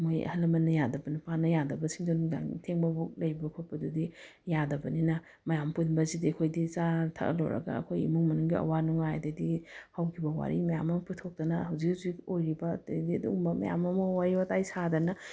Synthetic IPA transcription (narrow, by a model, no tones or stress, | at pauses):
moj̰hɐlɐmɐnːɐjadɐbɐnipanɐjadɐbɐsiŋdɐnuŋda̰ŋtʰeŋbɐbuk̚lɐjbɐkʰupːɐdudi | jadɐbɐninɐ | mɐjamputbɐzidiɐkʰojdit͡ʃatʰa̰ʔɐ̰lo̰wɾɐ̰ɡɐ̰ɐ̰kʰojḭmuŋmɐnuŋɡiʔɐ̰wanuŋaa̰dɐdihawkʰibɐwa̰ɾḭmɐjamɐmɐputʰok̚tɐnɐhɐwzik̚azikojɾibɐtdiɐdṵmbɐmɐ̰ja̰mɐmɐwaɾibɐtajsadɐnɐ